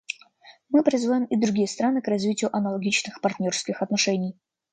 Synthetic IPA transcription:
mɨpɾʲɪzvajɪmɪd̪ɾʊɡʲijəst̪ɾanɨkrɐzvʲitʲɪjʊʔɐnəlˠɐɡʲit͡ɕnɨxpɐrt̪ʲnʲo̞rskʲɪxɐt̪nɐʂɛnʲɪj

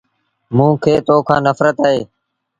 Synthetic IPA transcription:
mũːkʰeːt̪oːkʰãːnəfɾət̪aːɦeː

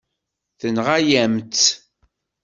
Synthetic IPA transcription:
θənʁajæmt̪

